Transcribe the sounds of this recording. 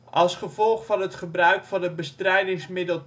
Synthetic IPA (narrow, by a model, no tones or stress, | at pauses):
ʔɑlˠsχəvɔlˠχfɑnɦətχəbrœɥkfɑndəbəstrɛjdɪŋsmɪdəlˠ